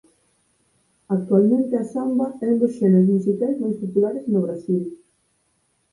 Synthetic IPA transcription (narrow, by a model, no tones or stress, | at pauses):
ak̚t̪ualmẽnt̪easambɐɛũnd̪osʃɛnezmusikajznõwst̪it̪ulaɾeznoβɾasil